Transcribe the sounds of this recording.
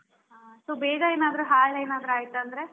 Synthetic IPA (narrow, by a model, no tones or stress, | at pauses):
ɦaːsoːbeːɡɐeːnaːd̪ɐɾuɦaːɭeːnaːd̪ɾaːjit̪uɐnd̪ɾe̞